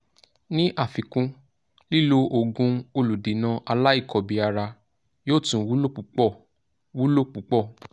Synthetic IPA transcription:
nĩ˦ʔa˦˨fi˨kũ˧ | li˦˨lo˧ʔo˨ɡũ˧o˧lu˨de˨˦nã˧ʔa˧la˦i˦˨kʰɔ˨bi˨a˧ɾa˧ | jo˦˨tũ˨˦wu˦lo˦k͡pu˨k͡pɔ˦˨ | wu˦lo˦˨k͡pu˨˦k͡pɔ˦˨

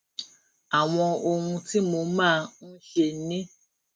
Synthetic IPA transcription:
a˨w̃ɔ̃˧o˧hũ˧ti˦mo˧mãː˦˧n̩˦ʃe˧˦nĩ˦

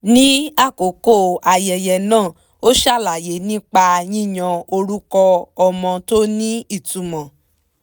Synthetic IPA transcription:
nĩ˦a˦˨ko˨˦ko˦˨a˧jɛ˨jɛ˨nãː˦˨ | o˦ʃa˦˨la˨je˨˦nĩ˦k͡pa˧jĩ˦˨ɲã˧o˧ɾu˦kɔ˧ɔ˧mɔ̃˧to˦nĩ˦i˦˨tu˨˧mɔ̃˨

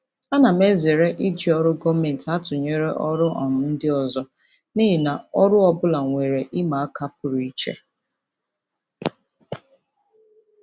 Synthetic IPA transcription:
a˦na˨me˦ze˨ɾe˦ʔi˦d͡ʒi˨ɔ˦ɾʊ˦ɡɔ˦me˨n̩˨ta˦tʊ˨ɲe˦ɾe˦ʔɔ˦ɾʊ˦ʔɔ̰˨nʊ˨˦n̩˦dɪ˦ɔ˨zɔ˦ | ni˦ɦɪ˨na˨ɔ˦ɾʊ˦ɔ˨bʊ˦la˨ŋʷe˨ɾe˨ʔɪ˦ma˨a˦ka˦pʊ˨ɾi˦t͡ʃḛ˦

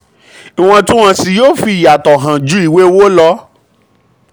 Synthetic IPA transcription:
i˨w̃ɔ̃˧tũ˦w̃ã˧si˧jo˦fi˧i˨ja˨tɔ˨ɦã˨d͡ʒu˨˦i˨we˦wo˦lɔ˧˦

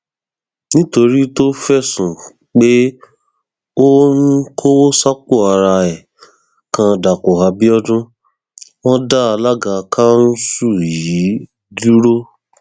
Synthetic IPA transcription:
nĩ˦to˧ɾi˦to˦fɛ˦˨sũ˨ | k͡pe˦ | o˦n̩˦kʰo˦wsa˦k͡po˦˨a˧ɾa˧ɛ˨ | kã˧da˨ko˨ɦa˧bi˦ɔ˦dũ˦ | wɔ̃˦da˦a˧la˦ɡã˧kʰa˦n̩˦su˦˨ji˨˦ | du˦ɾo˦

